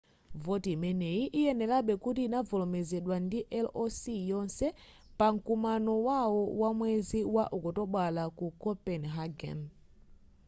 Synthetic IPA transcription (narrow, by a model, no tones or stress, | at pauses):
vɔtiimɛnɛiʔijɛnɛlaɓɛkutiːnavɔlɔmɛzɛɗwandiʔɛlɔsijɔnsɛ | paŋ̩kumanɔwawɔwamwɛziwaʔukɔtɔɓwalakukɔpɛnɦaɡɛ̰n